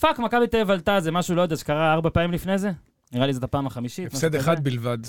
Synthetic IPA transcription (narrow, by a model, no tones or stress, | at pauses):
fakmakabit̪evalt̪azemaʃulood̪azkaʁaaʁbapaːimlifne̞ze̞ | niʁalizot̪apaːmaχamiʃifmaʃsed̪eχad̪bilvad̪